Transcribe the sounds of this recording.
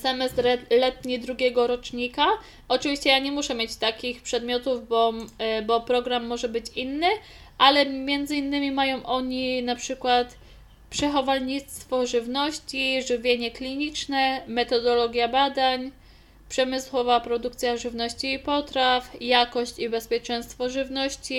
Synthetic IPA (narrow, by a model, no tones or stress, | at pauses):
sɛmɛst̪lɛt̪ɲid̪ɾuɡʲɛɡɔɾɔt͡ʂɲika | ɔt͡ʂɘvʲiɕt͡ɕɛjaɲɛmuʂɛmʲjet͡ɕt̪akʲixpʂɛd̪mʲjɔt̪uvbɔbɔpɾɔɡɾamːɔʐɛbɘt͡ɕinːɘ | ʔalɛmʲjɛnd̪zɘinːɘmʲimajɔ̃w̃ʔɔɲinapʂɘkwat̪ | pʂɛxɔvalɲit̪st̪fɔʐɘvnɔɕt͡ɕiʐɘvʲjeɲɛklʲiɲit͡ʂnɛmɛt̪ɔd̪ɔlɔɡʲjabad̪aɲ | pʂɛmɘswɔvapɾɔd̪uk̚t̪sʲjaʐɘvnɔɕt͡ɕiːpɔt̪ɾafjakɔɕt͡ɕibɛspʲjɛt͡ʂɛj̃st̪fɔʐɘvnɔɕt͡ɕi